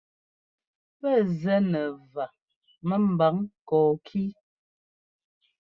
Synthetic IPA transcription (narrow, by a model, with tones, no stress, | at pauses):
pɛ˦˨zɛ˨˦nɛ˨va˨ | mə˦m̩˨ba˨˦ŋkɔː˨kʰi˦